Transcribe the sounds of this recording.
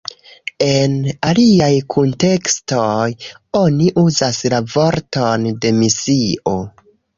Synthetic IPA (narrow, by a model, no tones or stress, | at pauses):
e̞naliajkʰunte̞kstoj | o̞niʔuzaslavo̞ɾtonde̞misio̞